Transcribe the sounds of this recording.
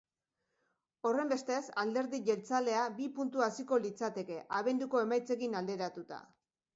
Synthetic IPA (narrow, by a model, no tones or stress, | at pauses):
o̞re̞mbe̞st̪e̞sald̪e̞ɾðiʝe̞lt͡sale̞abipunt̪uasiko̞lit͡sat̪e̞ke̞ʔaβ̞e̞nd̪uko̞e̞majt͡se̞ɣinald̪e̞ɾat̪ut̪a̰